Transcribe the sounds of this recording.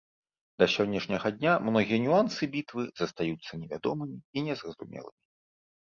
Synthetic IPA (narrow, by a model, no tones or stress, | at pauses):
d̪ɐsʲɔnʲːɛʂnʲɐɣɐd̪ʲnʲamnɔɣʲijɛnʲuansɨbʲit̪vɨzɐst̪ajut̪sːɐnʲɛvʲad̪ɔmɨmʲiinʲɛzrɐzṵmʲɛ̰lˠɨ̰mʲi